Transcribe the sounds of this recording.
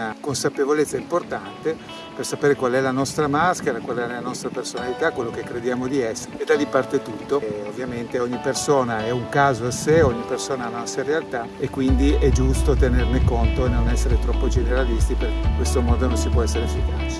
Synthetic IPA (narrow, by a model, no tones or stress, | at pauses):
akonsapevolet̪sːaimport̪ant̪e | persapeːɾekwalɛlanɔst̪ɾamaskeɾakwalɛɛlanɔst̪ɾapersonalit̪akːwelːok̟ekːɾed̪jaːmod̪iɛsːeeed̪alipart̪et̪ut̪ːoovːjament̪eɔɲːipersoːnaɛuŋkaːzoaseɔɲːipersoːnaanaasaɾealt̪a | ekːwind̪iɛd͡ʒust̪ot̪enernekont̪oenonɛsːeɾet̪ɾɔpːod͡ʒeneɾalist̪ipeɾkeikwest̪omɔːd̪ononsipwɔɛsːeɾefːikaːt͡ʃe̥